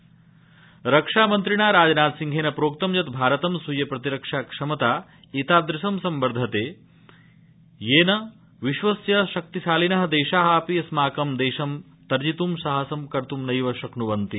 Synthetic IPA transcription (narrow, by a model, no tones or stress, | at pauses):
ɾɐkʂaːmɐnt̪ɾiɳaːɾaːd͡ʒnaːd̪siŋɡʱeːnɐpɾoːk̚t̪ɐmjɐt̪bʱaːɾɐt̪ɐmsujɐpɾɐt̪iɾɐkʂaːkʂɐmɐt̪aː | it̪aːd̪ɾisɐmsɐmbɐɾd̪ʱɐt̪eː | jeːnɐ | ʋiʃʋɐsjɐʃɐk̚t̪iʃaːlinɐɦɐ̆d̪eːʃaːɦaːpijɐsmaːkɐmd̪eːʃɐm | t̪ɐɾd͡ʒit̪umsɐɦɐsɐmkɐɾt̪umnɐjʋɐʃɐknuʋɐnt̪i